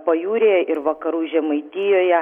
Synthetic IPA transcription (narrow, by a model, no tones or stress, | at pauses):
pɐjuːɾʲeːjʔɪɾʋɐkɐɾuːʒʲɛmɐɪt̪ʲɪjoːjɛ